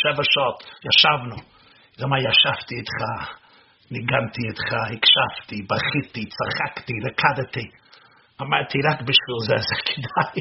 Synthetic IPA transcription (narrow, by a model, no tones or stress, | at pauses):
ʃɛvəʃɔtjaʃavnu | zamajaʃaftiɪtχa | nɪɡantiɪt̪χahɪkʃaftibaχɪtit͡saχaktiɾakʰadəti | amaɾtʰiɾakbɪʃviːlˠzɛzɛkʰɪ̥daɪ